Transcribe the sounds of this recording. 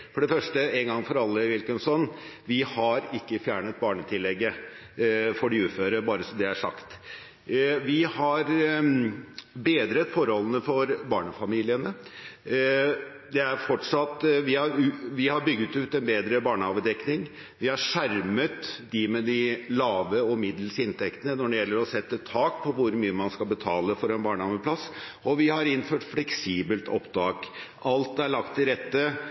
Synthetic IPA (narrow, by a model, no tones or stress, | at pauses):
fɔɖɛfœʂʈəɛnɡɑŋfɔɾɑlːəʋɪlkənsɔnʋɪhɑɾɪkːəfjæːɳət̪̚bɑːɳət̪ʰɪlːɛɡːə | fɔɖɛʉːføːɾəbɑːɾəsɔd̪ɛæʂɑ̰kt̪ | ʋɪhɑɾ | beːd̪ɾət̪fɔɾhɔlːənəfɔɾbɑːɳəfɑmiːlɪənə | d̪ɛæɾfɔʈʂɑt̪ːʋɪhɑɾʋɪhɑɾbʏɡːət̪ʉːt̪ɛnbeːd̪ɾəbɑːɳəhɑːʋəd̪ɛknɪŋ | ʋɪhɑʂæɾmət̪d̪ɪmɛd̪ɪlɑːʋəɔmɪd̪l̩sɪnt̪ʰɛkt̪ənənɔɖɛjɛlːəɾɔsɛt̪ːət̪ʰɑːkpʰɔʋʊɾmyːəmɑnskɑlbət̪ʰɑːləfɔɾɛnbɑːɳəɑːməpʰlɑsɔʋɪhɑɾɪnføːʈflɛksiːbəlt̪ʰɔ̰pd̪ɑːkʔɑlt̪æɭɑkt̪ʰːɪlɾɛt̪ːə